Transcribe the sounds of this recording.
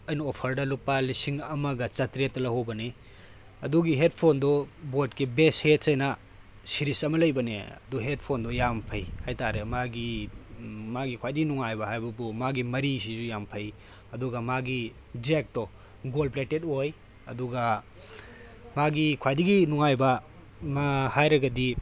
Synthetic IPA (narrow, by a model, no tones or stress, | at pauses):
ɐjnɐopʰɐɾdɐlupːɐlisiŋɐmɐɡɐt͡ʃɐtɾetːɐlɐhowbɐne | ɐduɡiɦet̚pʰondɔbotkibeshet̚sɐjnɐ | siɾisɐmɐlɐjbɐnḛɐ̰duɦet̚pʰondɔjampʰɐjhajtaɾemaɡi | maɡikʰwajdiɡinuŋajbɐhajbɐbumaɡimɐɾisizujampʰɐj | ɐduɡɐmaɡi | d͡ʒek̚tɔ | ɡolpletetoj | ɐduɡa | maɡikʰwajdiɡinuŋajbɐ | mhajɾɐɡɐdi